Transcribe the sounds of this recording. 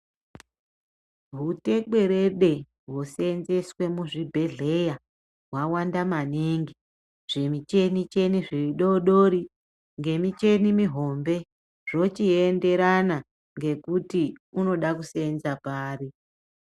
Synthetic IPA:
ɦute̞ɓwe̞ɾe̞ɗe̞ | ɦwosenzeswe̞muʐibʱe̞ɮe̞ja | ɦwawandamaneŋɡi | ʐ̥e̞mit͡ʃe̞nit͡ʃe̞niʐiɗoɗoɾi | ŋɡe̞mit͡ʃe̞nimiɦo̞mbe̞ | ʐ̥o̞t͡ʃiende̞ɾana | ŋɡe̞kutiuno̞ɗakusenzapaːri

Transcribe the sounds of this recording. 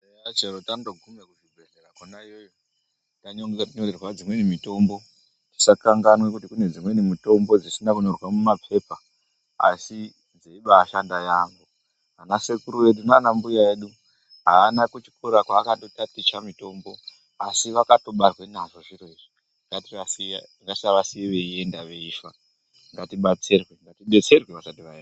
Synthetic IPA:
at͡ʃeɾotantoɡʱumekuʐibʱeɮerakonaijojo | taɲoŋɡeatiɲorerwad͡zimwe̞nimito̞mbo̞ | ti̥sakaŋɡanwekutikune̞d͡zimwe̞nimito̞mbo̞d͡zisinakunorwamumapʰe̞pa | a̰si | neiɓaːʃandajaːŋɡu | anase̞kuɾuwe̞ɗunaːnambujae̞ːɗu | ɦaːnakut͡ʃi̥kʰuɾakwaːkado̞tatit͡ʃamito̞mbo̞ | asiʋakato̞ɓarwe̞naʐo̞ʐireiʐi | ŋɡatiʋasiaŋɡasaʋasiʋeie̞ndaʋe̞ifa | ŋɡatiɓat͡se̞rweŋɡatiɓe̞t͡se̞rweʋasatiʋaea

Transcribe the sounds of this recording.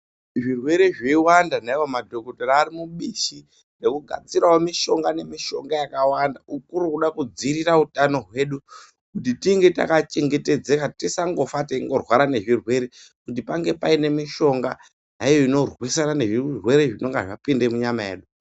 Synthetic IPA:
ʐirwe̞ɾe̞ʐeiwandanaiwomadʱo̞kotoɾaːɾimuɓiʃi | rekuɡʱa̰t͡siɾaomiʃo̞ŋɡane̞miʃo̞ŋɡajakawandaukuɾuuɗakud͡ziɾirautano̞ɦwe̞ːɗu | kutitiŋɡe̞ta̰kat͡ʃe̞ŋɡe̞te̞d͡zekatisaŋɡo̞fateiŋɡo̞rwaɾane̞ʐirwe̞ɾekutipaŋɡe̞paine̞miʃo̞ŋɡa | naijo̞ino̞rwisanane̞ʐirwe̞ɾeʐino̞ŋɡea̰ʐapinde̞muɲamajeːɗu

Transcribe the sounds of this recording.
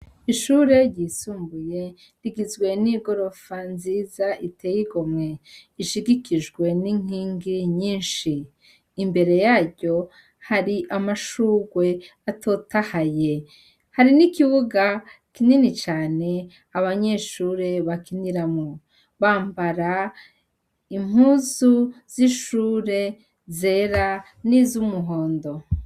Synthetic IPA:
iʃuːɾe̞ɾɟiːsuːmbuje̞ | diɡizɡwe̞niɡo̞ɾo̞fanziːzaʔitʰe̞jiɡo̞mŋe̞iʃiɡikiʒɡwe̞niŋ̥iːŋɡiɲiːnʃiː | mbe̞ɾe̞jaːɾɟo̞ | haɾiʔamaʃuːɡwe̞ | atʰo̞tahaje̞ | haɾinikiβuɡakininit͡ʃaːne̞ | aβaɲe̞ʃuːɾe̞βakiniɾamŋo | βaːmbaɾa | im̥uːzuz̥iʃuːɾe̞ | ze̞ːɾa | nizumuɦo̞ːndo̞

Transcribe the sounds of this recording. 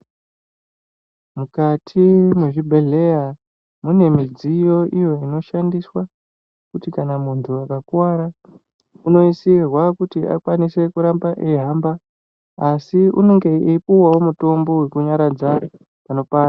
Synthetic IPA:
mukatʰimweʐibʱe̞ɮe̞ja | mune̞mid͡zijo̞ʔijo̞ino̞ʃandiswa | kutikanamuntʰuakakuwaɾa | uno̞isirwakutia̰kwanise̞kuɾambaʔeɦamba | asiṵne̞ŋɡe̞ipuwawo̞muto̞mbo̞we̞kuɲaɾad͡za | pano̞paːɾa

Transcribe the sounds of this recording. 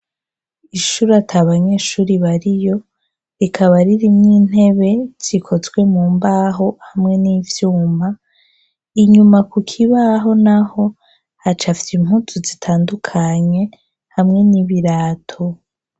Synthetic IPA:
iʃuɾatʰaβaɲe̞ːʃuːɾiβaɾijo̞ | ɾikʰaβaɾiɾimŋiːn̥he̞βe̞z̥ikʰo̞zɡwe̞muːmbaːɦo̞hamŋe̞niːvjuːma | iɲumakukʰiβaɦo̞naho̞ | hat͡ʃafitim̥hutʰuzitʰaːndukʰaɲe̞ | hamŋe̞niβiɾaːtʰo

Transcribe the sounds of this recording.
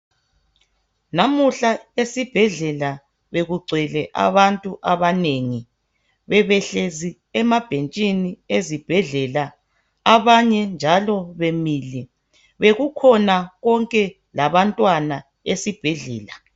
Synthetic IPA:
namuɬaesib̥ʱɛɮɛla | βeɣuɡ͡ǀʱɛlɛʔa̰βantʼuʔaβaneŋi | βɛβɛɬezi | ɛmab̥ʱent͡ʃʼiniezib̥ʱɛɮɛla | aβaɲɛnd͡ʒʱalɔβemilɛ | βeɣukʰɔnaɣɔŋkʼɛ | laβantʼwana | esib̥ʱɛɮɛ̰ːla

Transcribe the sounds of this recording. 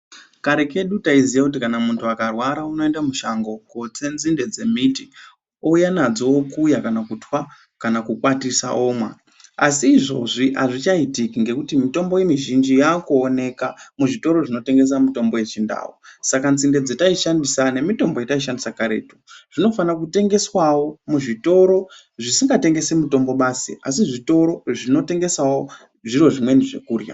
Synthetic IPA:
kaɾe̞ke̞ɗutaizijakutikanamuntʰuakarwaɾauno̞endamuʃaŋɡo̞ko̞t͡se̞nzinde̞d͡ze̞miti | o̞ujanad͡zookuːjakanakutwa | kanakukwatisa̰ʔo̞ːmwa̰ | asiːʐo̞ʐiʔa̰ʐit͡ʃaitikiŋɡe̞kutimito̞mbo̞je̞miʒind͡ʒijakuːne̞kamuʐito̞ɾo̞ʐino̞te̞ŋɡe̞s̬amito̞mbo̞je̞t͡ʃinda̰ːwo̰sakant͡sinde̞d͡zetaiʃandisane̞mito̞mbo̞jetaiʃ̬andisakaɾe̞̰ːtu̥ʐ̥ino̞fanak̬ute̞ŋɡe̞swawo̞muʐito̞ɾo̞ | ʐisiŋɡate̞ŋɡe̞semuto̞mbo̞ɓasḭʔasiʐito̞ɾo̞ʐino̞te̞ŋɡe̞sawo̞ | ʐiɾo̞ʐimwe̞niʐe̞̰kuːrja̰

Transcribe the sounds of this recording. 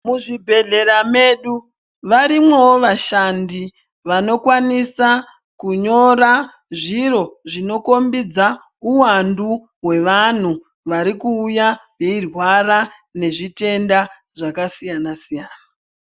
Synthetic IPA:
muʐibʱe̞ɮe̞ɾame̞ɗu | ʋaɾimwe̞woʋaʃandi | ʋano̞kwanisa | kuɲo̞ɾa | ʐiɾo̞ʐino̞ko̞mbid͡za | uwandu | ɦwe̞ʋan̤u | ʋaɾikuːjajeirwaɾa | ne̞ʐite̞nda | ʐakasijanasijaːna

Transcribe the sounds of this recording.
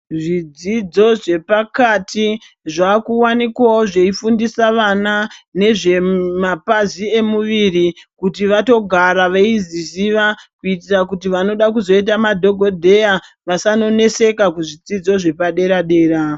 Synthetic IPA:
ʐid͡zid͡zo̞ʐe̞pakatʰi | ʐakuwanikwawoʐeifundisaʋanane̞ʐe̞mapazie̞muʋirikutiʋato̞ɡʱaɾaʋeizisiʋakuitirakutiʋano̞ɗak̬uzo̞it̬amadʱo̞ɡʱo̞dʱe̞ja | ʋasano̞ne̞se̞kakuʐid͡zid͡zo̞ʐe̞paɗe̞ɾaɗe̞ːɾa

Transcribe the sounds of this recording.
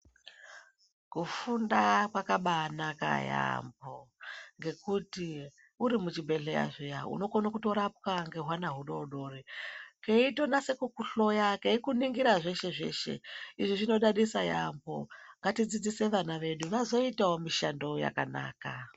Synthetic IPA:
kufundakwakaɓanaka̰ja̰mboŋɡe̞kuti | uɾimut͡ʃibʱe̞ɮeja̰ʐojaṵno̞konakuto̞ɾap̚kaŋɡe̞ɦwanaɦuɗo̞uɗo̞rikeito̞nase̞kukuɬo̞jakeikuniŋɡiɾaʐe̞ʃe̞ʐe̞̰ʃe̞̰iʐiʐino̞ɗaɗisaja̰mbo̞̰ŋɡatid͡zid͡zise̞ʋanaʋe̞ɗuʋazo̞itaomiʃando̞ja̰ka̰na̰ːka

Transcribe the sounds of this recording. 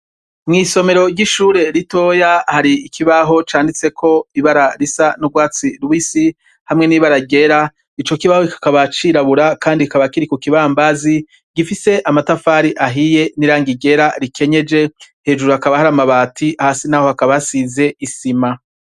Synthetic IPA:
mŋiːso̞me̞ɾo̞ɾɟiʃuːɾe̞ɾito̞jahaɾiːkʰiβaɦo̞t͡ʃaːndit͡se̞kʰo̞iβaɾaɾisanuɡwaːt͡siɾwisi | hamŋe̞niːβaɾaɡe̞ɾa | it͡ʃo̞kiβahoikḁkaβat͡ʃiɾaβuɾakaːndikaβakiɾikukiβambazi | ɡifise̞ʔamatafaːɾiʔaɦije̞niɾaːŋɡiɟe̞ɾaɾikʰe̞ɲe̞d͡ʒe̞ | he̞ːd͡ʒuɾuhakaβahaɾamaβaːtʰiahasinaːho̞hakaβasize̞isima

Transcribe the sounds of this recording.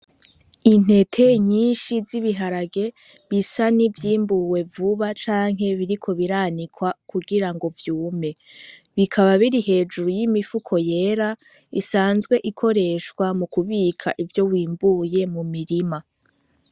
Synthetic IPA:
in̥e̞tʰe̞ɲiːnʃiziβiɦaɾaɡe̞ | βisanivjiːmbuwe̞vuβat͡ʃaːŋ̥ɦe̞βiɾikʰo̞βiɾanikʰwakʰuɡiɾaŋɡo̞vjuːme̞ | βikʰaβaβiɾihe̞ːd͡ʒuɾujimifukʰo̞je̞ːɾa | isaːnzɡwe̞ʔikʰo̞ɾe̞ʃkwamukuβiːkʰa̰ʔivjo̞wiːmbuje̞mumiɾima

